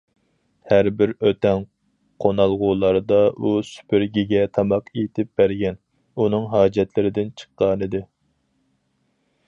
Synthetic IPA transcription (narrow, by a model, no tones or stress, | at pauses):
hæɾbɪɾøt̪ɛŋ | qʰonɑlˠʁulˠɑɾd̪ɑʔusy̥pʰɪɾɡʲiɡʲɛt̪ʰɑmɑqʰet̪ʰɪp̚bæɾɡʲɛn | unɨŋɦɑːd͡ʒɛt̪lɪɾɪd̪ɪnt͡ʃʰə̥qːɑːnɨd̪ɪ